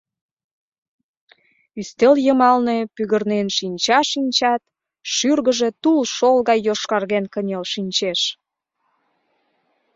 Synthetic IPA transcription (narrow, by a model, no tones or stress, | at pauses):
yst̪eljəmɑlnepyɣərnenʃinʲt͡ɕɑʃinʲt͡ɕɑt̪ | ʃyrɣəʒe̽t̪ulʃolɣɑjːoʃkɑrɣenkənʲelʃinʲt͡ɕeʃ